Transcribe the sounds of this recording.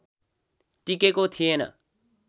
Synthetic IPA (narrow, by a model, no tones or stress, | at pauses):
ʈikekot̪ʰienə̰